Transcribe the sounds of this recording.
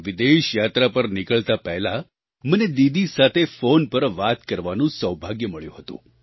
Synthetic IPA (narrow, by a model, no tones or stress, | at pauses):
ʋɪd̪eʃjat̪ɾapəɾnɪkəɭt̪apɛɦla | məned̪id̪isat̪ʰefonpəɾʋat̪kəɾʋanũsəwbʱaɡjəməɭjṵ̃ɦət̪ṵ̃